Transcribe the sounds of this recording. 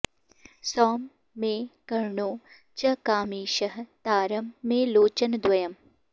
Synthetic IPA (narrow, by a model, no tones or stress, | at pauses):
sɔːmː | ẽːkɐɾɳoː | t͡ʃɐkaːmiːʃɐɦt̪aːɾɐmːẽːloːt͡ʃɐnd̪wɐjɐm